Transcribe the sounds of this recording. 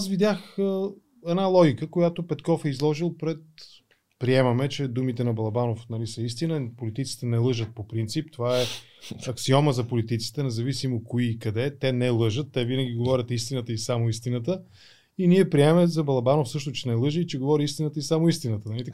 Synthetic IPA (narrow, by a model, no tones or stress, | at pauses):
asvid̪ʲjaxə | ɛd̪nalˠɔɡʲikəkojat̪opɛt̪kɔfɛizlˠɔʒilˠpɾɛt̪̚ | pɾiɛmɐmɛt͡ʃɛd̪umit̪ɛnɐbɐlˠɐbanofnɐlisəist̪inəpolit̪it̪si̥t̪ɛnɛlˠɤʒət̪̚popɾint̪sipt̪ovaɛ | ɐksiɔməzɐpolit̪it̪si̥t̪ɛnɛzɐvisimokoiːkɐd̪ɛt̪ɛnɛlˠɤʒət̪ːɛvinəɡʲiɡovɔɾʲət̪ist̪inət̪əisamoist̪inət̪ə | iniɛpɾiɛmɛzɐbɐlˠɐbanofsɤʃt̪ʊt͡ʃɛnɛlˠɤʒəit͡ʃɛɡovɔɾiist̪inət̪əisamoist̪inət̪ənɐlit̪